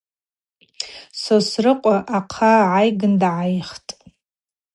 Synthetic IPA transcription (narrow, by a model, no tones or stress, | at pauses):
sosrɨqʷʼaʔaqʰaʕajɡɨndʕajχtʼ